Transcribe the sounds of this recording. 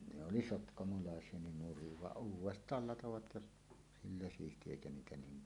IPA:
ne oli sotkɑmolɑˑesˑie nin nuriʋ ʋɑʔ ʔuːwˑestˑɑːl lɑtoʋɑt jɑ silːæ siːsti eˑikæ niːtæ niːm

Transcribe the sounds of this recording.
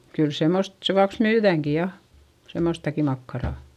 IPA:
kyl semːost seʋuɑks myːðæˑŋki jɑ semːostɑki mɑkːɑrɑˑ

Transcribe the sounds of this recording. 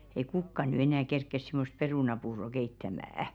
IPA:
ei kukːɑ ny enæˑ kerkːes si̥most peruˑnɑpuːro keitːæmææ

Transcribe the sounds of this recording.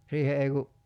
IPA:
siːhe ei ku

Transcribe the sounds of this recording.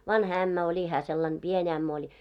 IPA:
ʋɑnhɑ æmːæ olʲi hæː selːɑn b̥ien æmːæ olʲ

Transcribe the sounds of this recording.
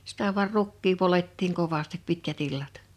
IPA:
sitæ ʋuɑr rukːiː poletːiːŋ koʋɑstip pitkæt ilːɑt

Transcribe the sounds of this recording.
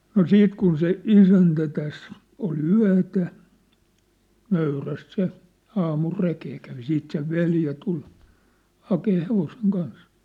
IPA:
no siːt kun se isæntæ tæs ol yæ̝tæ nøyræst se ɑːmul rekeː kæʋi siːt seʋ ʋeljæ tul hɑkeː heʋoseŋ kɑns

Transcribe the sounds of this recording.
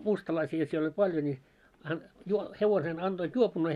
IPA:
mustɑlɑisiɑ siel olʲ pɑljo nʲi ɑn juo heʋosen ɑnd̥oit juopunːeː

